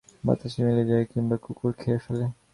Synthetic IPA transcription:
ma̰t̪aʃimiled͡ʑaekimbakukoɾkʰefale

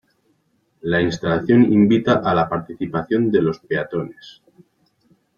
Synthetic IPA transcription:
lainst̪alaθjo̞nimbit̪aʔalapaɾt̪iθipaθjo̞nd̪elo̞speat̪ones

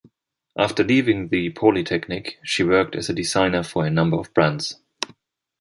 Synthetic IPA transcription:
ʔæftə˞livɪ̃ŋðɨpʰɔlˠitʰɛknɪkʃiwɜ˞k̚tʰɨzɨdɨzãɪ̃nə˞fə˞ɨnʌ̃mbə˞ʌvb̥ɹæ̃ndz̥

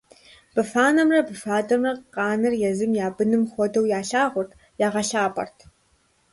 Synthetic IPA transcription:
b̥ɨfaːnɐmrɐbɨfaːdɐmrɐqqɑːnɨrjɛzɨmjaːbɨnɨmχʷɔdɐwjaːɬaːʁʷʊrtʰ | jaːʁɐɬaːpʼɐ̰rtʰ

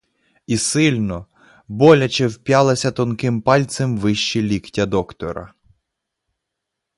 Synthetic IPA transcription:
isɪlʲnɔ | bɔlʲɐt͡ʃɛwpʲjɑlˠɐsʲɐt̪ɔnkɪmpɑlʲt̪semʋɪʃt͡ʃilʲiktʲɐd̪ɔkt̪ɔɾɐ̰

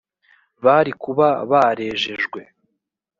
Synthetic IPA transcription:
βaɾikuβaβaɾe̞ːʒe̞ʒɡwe̞

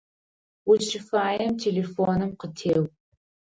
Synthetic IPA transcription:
ʊʃɪfaːjɐmtʰeːleːfoːnɨmqətʰeːw

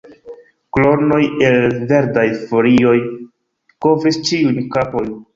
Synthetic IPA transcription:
klo̞ɾno̞je̞lve̞ɾdajfolio̞j | ko̞vɾist͡ʃiunkapo̞n

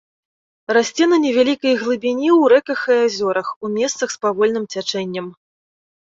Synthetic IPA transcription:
rasʲt͡sʲɛnɐnʲɛvʲalʲikɐjɣlˠɨbʲinʲiwɾɛkɐxazʲɔɾɐxumʲɛst̪sɐxspavɔlʲnɨmt͡sʲat͡ʂɛnʲːɐm

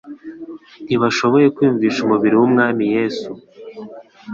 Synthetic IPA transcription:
n̥iβaʃo̞βo̞je̞kwiːɱviːʃumuβiɾiwumŋaːmije̞ːsu

